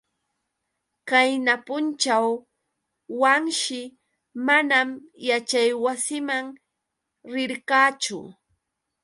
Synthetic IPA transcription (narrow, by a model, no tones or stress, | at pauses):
kajnapʊnt͡ʃawː | aŋʃɪ | manamjat͡ʃajwasɪmaŋ | ɾɪɾkaːt͡ʃʊ̰